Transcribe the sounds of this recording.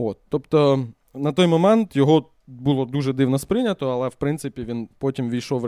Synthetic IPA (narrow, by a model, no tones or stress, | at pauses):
ot̪ːɔpt̪ɔ | nɐt̪ɔjmɔmɛnt̪jɔɦɔ | bulˠɔd̪uʒɛd̪ɪwnɔspɾɪnʲɐt̪ɔɐlˠɛwpɾɪnt̪sɪpʲiʋʲinpɔtʲimʋʲijʃɔw